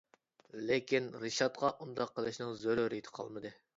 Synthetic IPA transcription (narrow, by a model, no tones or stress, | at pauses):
lɪkʲinɾɨʃɑt̪̚qʰɑʔund̪ɑqʰːəlˠɨʃnɨŋzøɾøɾit̪ʰɪ̥qʰɑ̰lˠmɨd̪ɨ